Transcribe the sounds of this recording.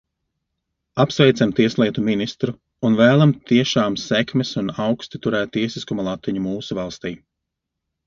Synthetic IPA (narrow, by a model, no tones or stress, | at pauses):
apsvɛjt̪samt̪iɛslˠiɛt̪uminist̪ɾuː | nvæːlˠamt̪iɛʃaːmsɛkmɛsunawkst̪it̪uɾɛːt̪̚ːiɛsiskumalˠat̪viɲumuːsuvalˠst̪iː